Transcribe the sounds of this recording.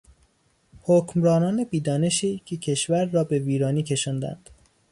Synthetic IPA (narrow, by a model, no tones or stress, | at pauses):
hocʰmɾɒːnɒːne̞biːd̪ɒːne̞ʃiːcʰecʰe̞ʃvæɾːɒːbe̞viːɾɒːniːcʰe̞ʃɒːnd̪æ̰nd̪̥